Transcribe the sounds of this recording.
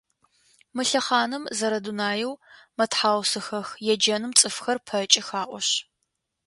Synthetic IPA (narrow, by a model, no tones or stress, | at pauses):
mɨɬɐχɑːnɨmzɐɾɐdunaːjɛwmɐtħaːwsɨxɐxjɛd͡ʒɐnɨmt͡sʼɨfxɐrpʰɐt͡ʃʼɪxaːʔʼʷɔɕ